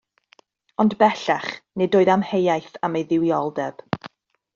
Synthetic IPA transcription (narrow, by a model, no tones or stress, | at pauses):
ɔndbɛɬaχnɪdoːɨðamhejajθamejðɪwjɔlˠdɛb̥